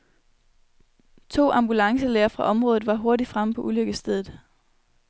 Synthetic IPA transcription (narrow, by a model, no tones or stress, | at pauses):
t͡sʰo̝̰ːʔɑ̈mb̥ulɑ̈ŋsəleːɐfʁɑ̈ʔɒ̽mʁɔ̽ːðˠð̩ˠʋɑ̈ɦo̝ɐɾid̥fʁaməpʰɒ̽ʔuløɡ̥əsd̥eðˠð̩ˠ